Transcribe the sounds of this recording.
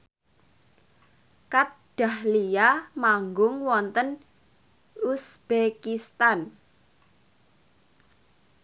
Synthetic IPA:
kat̪̚ɖ̥a̤hlijamaŋɡʊŋwɔnt̪ən | usb̥ekist̪an

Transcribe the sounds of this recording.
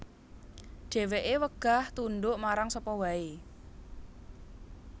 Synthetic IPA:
ɖ̥e̤weʔewəɡ̥a̤ht̪unɖʊʔmaɾaŋsɔpɔwae

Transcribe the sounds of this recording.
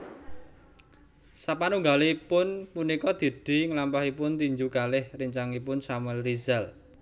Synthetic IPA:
sapanuŋɡaliipʊnpunikɔd̪̥e̤d̪̥i̤ŋəlampahipʊnt̪iɲd͡ʒukalɪhriɲt͡ʃaŋipʊnsamɛlrizɛl

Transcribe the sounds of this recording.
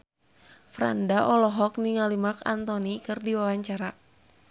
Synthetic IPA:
fɾa̰ndaʔɔlɔɦɔk̚niŋalimarka̰nt̪ɔnikɨrdiwawaɲt͡ʃaɾa

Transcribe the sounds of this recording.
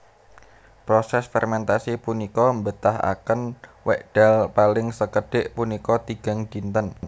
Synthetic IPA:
pɾosɛsfɛrmɛnt̪asipunikɔmbət̪aɦa̰kənwɛʔdɖ̥alpalɪŋsəkəɖ̥ɪ̤ʔpunikɔt̪iɡ̥a̤ŋd̪̥int̪ən

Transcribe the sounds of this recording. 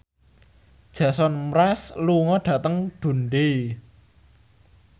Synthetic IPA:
d̥ʒ̥ä̤sɔnmɾɛsluŋɔɖ̥ä̤t̪əŋɖ̪̥ṳnɖe

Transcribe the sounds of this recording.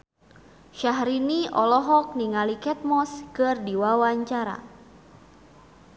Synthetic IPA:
ʃaɦɾiniʔɔlɔɦɔk̚niŋalikɛt̪̚mɔskɨrdiwawaɲt͡ʃaɾa̰

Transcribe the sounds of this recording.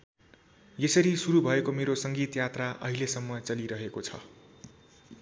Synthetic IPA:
jesʌɾisuɾubʱʌekomeɾosʌŋɡit̪jat̪raʔʌ̰ɦilesʌmːʌt͡sʌliɾʌɦekot͡sʰʌ̰

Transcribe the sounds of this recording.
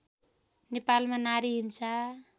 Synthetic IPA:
nepalmanaɾiɦimsa

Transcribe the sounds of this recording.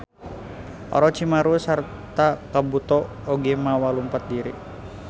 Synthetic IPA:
ʔɔ̰ɾɔt͡ʃimaɾusar | t̪akabut̪ɔ | oɡɛmawalumpat̪̚diɾḭ

